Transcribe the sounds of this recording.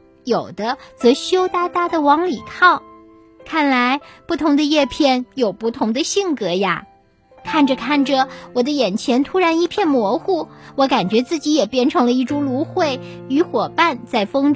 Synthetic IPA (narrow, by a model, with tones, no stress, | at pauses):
jo˨˩ʊd̪ə˦t͡sɤ˧˥ɕjo˥ʊt̪a˥t̪a˥d̪ə˨wɑ˧˥ŋli˨˩kʰɑ˥˩ʊ | kʰa˥˩nla˧˥ɪpu˥˩t̪ʰʊ˧˥ŋd̪ə˧jɛ˥˧pʰjɛ˥˩njo˨˩ʊpu˥˩t̪ʰʊ˧˥ŋd̪ə˧ɕi˥˩ŋkɤ˧˥ja̰˥˧ | kʰa˥˩nʈ͡ʂə˩kʰa˥˩nʈ͡ʂə˨˩wɔ˨˩d̪ə˦jɛ˨˩nt͡ɕʰjɛ˧˥nt̪ʰu˥ɻa˧˥ni˥˧pʰjɛ˥˩nmwɔ˧˥xu˥˩wɔ˧˥ka˨˩nt͡ɕɥɛ˧˥t͡sɹ̩˥˩t͡ɕi˧˥jɛ˨˩pjɛ˥nʈ͡ʂʰɤ˧˥ŋlə˧i˥˩ʈ͡ʂu˥ŋlu˧˥xwe˥˩ɪy˧˥xwɔ˨˩pa˥˧nt͡sa˥˩ɪfɤ˥ŋ